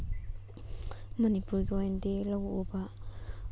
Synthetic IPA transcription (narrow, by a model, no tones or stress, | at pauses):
manipujɡoendelawoba